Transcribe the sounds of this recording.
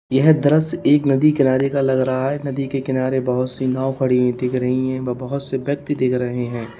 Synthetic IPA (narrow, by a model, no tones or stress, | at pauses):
jɛɦd̪ɐɾəseːknɐd̪ikɪnaːɾekalɐɡɾɐɦaɦɛnɐd̪ikekɪnaːɾebɐɦʊt̪sinaːʊkʰɐɽiẽd̪ɪkʰɾɐɦiɦɛ̃ʋɐbɐɦʊt̪sebjɐk̚t̪id̪ɪkʰɾɐɦeɦɛ̃ː